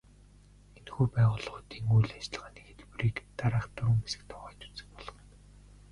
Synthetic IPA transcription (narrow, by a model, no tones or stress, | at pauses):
enxuːpæːʁʊːɮʁʊːt̪iːŋujɮat͡ɕɮ̆ʁaːnexet̪priːkt̪aɾaːχt̪ʊɾɵ̆mpesɘ̥̆k̚t̪ʰɔʁɔːt̪u̥t͡sɘ̆kpɔɮɞ̆χɞ̆n